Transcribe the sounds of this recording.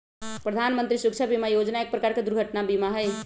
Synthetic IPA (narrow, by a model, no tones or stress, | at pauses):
pɾəd̪ʱanmənt̪ɾisuk̚t͡ʃʰəbimajod͡ʒnaek̚pɾəkaɾked̪uɾɡʱəʈnabimaɦəj